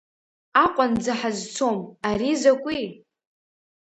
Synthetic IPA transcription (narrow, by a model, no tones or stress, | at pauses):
aqʷʼand͡zaħazt͡sʰomaɾizakʷʼi